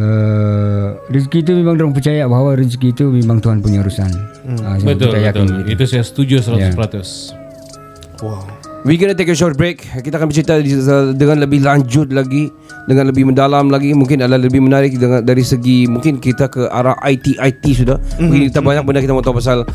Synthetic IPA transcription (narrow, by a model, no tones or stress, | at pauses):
ə | riskiːt̪̬umemaŋdəɾaŋp̬ərt͡ʃajabaɦawaɾiskiːt̪umemãŋt̪uɦanpuɲaɾusanabət̪ʊlajat̪lit̪usajasə̥t̪ud͡ʒʊsəlat̪ʊslat̪ʊs | wawiɡɔnat̪̬ekəʃɔrt̪̚bɾekkit̪akanbət͡ʃɾit̪aədəŋanləbɪhlaɲd͡ʒʊt̪̚laɡi | dəŋanləbɪhmə̃ndalamlaɡimuŋkɪnalaləbɪhmənaɾɪk̚dəadaɾisəɡimuŋkɪnkit̪akəʔa̰ɾaʔajt̪iʔajt̪isudahmũŋkɪnkit̪abaɲak̚bəndakit̪amɔt̪ɔpas̬al